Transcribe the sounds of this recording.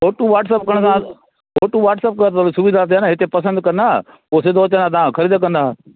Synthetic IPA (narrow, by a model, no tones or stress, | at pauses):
oːʈũʋaːʈsəːp̚kəɽ̃s̬ã | oːʈũʋaːʈsəp̚kəɾt̪olsʊʋid̪ʱat̪̬eanaɦɪt̪epɐsə̃nd̪̚kɐ̃nd̪aː | poːsɪd̪oːt͡ɕə̃nd̪aːt̪̬ɐãkʰɐɾiːd̪kə̃nd̪a